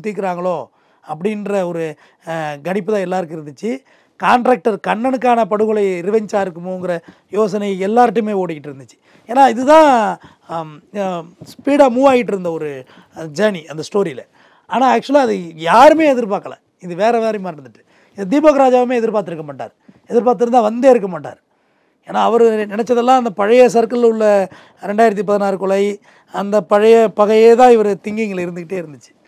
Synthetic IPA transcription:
t̪ːikːɪɾaːŋɡɐɭoː | ɐp̬ːɐɽɪnɾɐɔɾɯ | ɡɐɳɪpːɯt̪ãːɛlːaːɾɯkɯɪɾɯnd̪ɯt͡ʃːɯ | kaːɳʈɾaːk̚ʈɐɾkɐɳːɐɳɯkːaːnɐpɐɽɯɣɯɭɐɪɪɾɯʋɐɲt͡ʃaːɪɾɯkːɯmoɯŋɡɪɾɐ | joːs̬ɐnɐɪɛlːaːɾʈːɯmeːoːɽɪkɪʈːɪɾɯnd̪ɯt͡ʃːɯ̥ | eːnaːɪðɯt̪ãː | spiːɽaːmuːʋaːɣɪʈ̬ːɪɾɯnd̪ɐɔɾɯ | d͡ʒɐːniʔɐnd̪ɐsʈoːɾilɐ | aːnaːk̚t͡ʃʊɐlaɐðɯjaːɾɯmeːɛðɪɾpaːkɐlã̰ː | ɪðɯʋeːɾɛʋeːɾɐmaːɾɪɾɯnd̪ɯʈːɯ̥ | ɪðɐd̪iːboːɣɐɾaːd͡ʒaːʋɐmeːɛðɪɾpaːɾt̪ːɪɾɯkːɐmaːʈːa̰ːɾ | ɛðɪɾpaːɾt̪̬ːɪɾɯnd̪ãːʋɐnd̪eːɪɾɯk̬ːɐmaːʈːa̰ːɾ | eːnaːɐʋɐɾɯnɪnɛt͡ʃːɐðɐlːãːɐnd̪ɐpɐɻɐjɐs̬ɐɾkɐlʊɭːɐ | ɾɛɳɖaːjɪɾɐt̪̬ːipɐðɪnaːɾɯkɔɭɐj | ɐnd̪ɐpɐɻɐjɐpɐɣɐjeːt̪ãːɪʋɐɾɯt̪ɪŋɡɪŋɡɐɭɪɾɯnd̪ɯkɪʈːeːɪɾɯnd̪ɯt͡ʃːɯ̥

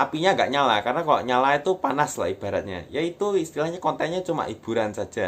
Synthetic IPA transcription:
ʔapiɲaŋɡa̰ʔɲalakarnaka̰ʔɲalait̪upanasla̰ib̥a̤ɾa̰t̪̚ɲa̰jait̪uist̪ilahɲakɔnt̪anɲat͡ʃuma̰ʔib̥ṳɾansḁd͡ʒ̥a

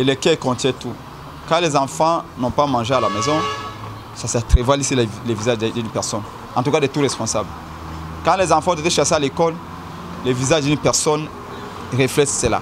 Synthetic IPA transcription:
elɛkɛkɔ̃t̪jɛ̃t̪u | kãlɛzãfãnɔ̃pamãʒealamɛzɔ̃ | sasɛt̪ʁɛvalisilɛlɛvizaʒd̪ynpɛʁsɔn | ɑ̃t̪̬ukad̪ɛt̪uʁɛspɔ̃sabl | kãlɛzɑ̃fãɔ̃t̪et̪eʃasealekɔl | lɛvizaʒd̪ynpɛʁsɔn | ʁeflɛssɛla̰

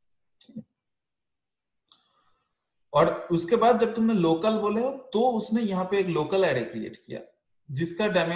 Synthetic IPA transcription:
ɔːɾʊskebaːd̪̚d͡ʒɐb̚t̪ʊmneloːkəlboːleɦot̪oʊsnejɐɦãpeeːkloːkəlɛːɾekɾiḛːʈkija̰ː | d͡ʒɪskaɖɛːme

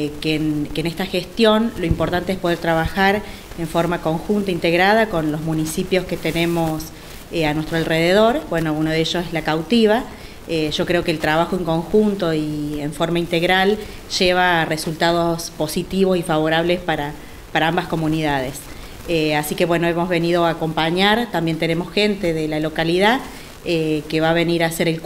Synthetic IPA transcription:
kenkeːnest̪axest̪jo̞nlo̞impoɾt̪ant̪eespoðeɾt̪ɾaβaxaɾ | eɱfo̞ɾmako̞ŋxunt̪aint̪eɣɾað̞ako̞nlozmũnisipjo̞sket̪enemo̞s | eanwe̞st̪ɾoalreðeð̞o̞ɾbwe̞no̞unoð̞eeʒosezlakawt̪iβa | eʒ̥o̞kɾe̞o̞keːlt̪ɾaβaxoeŋko̞ŋxunt̪o̞ieɱfo̞ɾmaint̪eɣɾal | ʒ̥eβ̞aresult̪að̞o̞spo̞sit̪iβosifaβ̞o̞ɾaβlespaɾa | paɾaambasko̞mũniðað̞es | easike̞βwe̞noemo̞zβe̞niðo̞ako̞mpaɲaɾt̪ambje̞nt̪ene̞mo̞sxe̞nt̪e̞ðelalo̞kaliða | ekeβaβe̞niɾaːse̞ɾelk

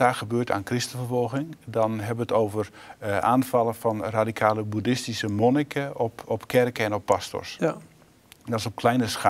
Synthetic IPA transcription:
aːxəbøːta̰ːnkrɪstəfərfɔlˠɣɪŋdɔnɦɛbəətoːvəraːnfɑlˠəfɔnradikʰaːləbudɪstisəmonikʰəɔpɔpkʰɛrkəɛnɔpːasto̰rs | dɔɪsɔp̚kʰlɛjnəsxa

